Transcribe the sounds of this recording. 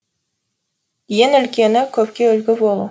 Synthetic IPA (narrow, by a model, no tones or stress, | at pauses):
jenɵ̆lkʲenɪkɵpkʲeɵlɡʲɪbolˠə